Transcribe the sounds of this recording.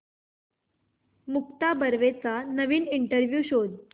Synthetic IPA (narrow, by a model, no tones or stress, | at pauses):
muk̚t̪abəɾʋet͡sanəʋiːniɳʈəɾʋjuːɕod̪